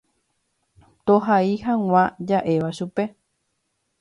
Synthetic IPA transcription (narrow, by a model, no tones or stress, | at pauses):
t̪oɦaihãŋ̃ãd͡ʒaʔe̞ʋaʃupe̞